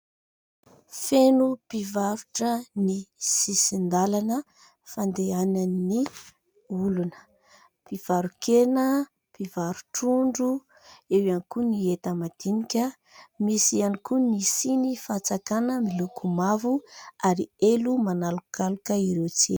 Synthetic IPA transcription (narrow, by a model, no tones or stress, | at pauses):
fenupivaɾuʈ͡ʂənisisind̪alanə | fand̪eananːi | ulunə̥ | piv̥aɾukenə | pivaɾuʈ͡ʂuɳɖ͡ʐu | ewjanikuniet̪amad̪̥inikʲə | misianikunisinifat͡sakanəmilukʰumavuaɾielumanalukalukəiɾewt͡si